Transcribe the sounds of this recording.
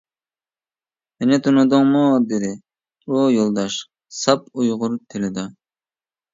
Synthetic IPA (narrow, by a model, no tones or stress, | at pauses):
mɪnɪt̪ʰunʊd̪ʊŋmud̪ɪd̪ɪ | ujolˠd̪ɑʃ | sɑpujʁʊɾt̪ʰɪlɪd̪ɑ